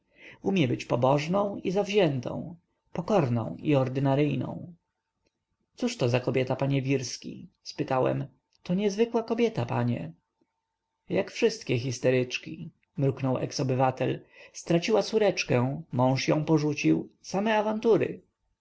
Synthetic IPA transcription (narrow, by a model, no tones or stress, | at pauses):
umʲjɛbɘt͡ɕpɔbɔʐnɔ̃w̃izavʑɛnt̪ɔ̰̃w̃ | pɔkɔɾnɔ̰̃w̃iɔɾd̪ɘnaɾɘjnɔ̰̃w̃ | t̪suʂt̪ɔzakɔbʲjɛt̪apaɲɛvʲiɾskʲḭ | spɘt̪awɛ̰m | t̪ɔɲɛzvɘkwakɔbʲjɛt̪apa̰ɲɛ̰ | jakfʂɘst̪kʲɛxʲist̪ɛɾɘt͡ʂkʲi | mɾuknɔwʔɛ̰ksɔbɘvat̪ɛlst̪ɾat͡ɕiwat̪suɾɛt͡ʂkɛ̃mɔ̃w̃ʂjɔ̃w̃pɔʐut͡ɕiwsamɛavant̪uɾɘ̰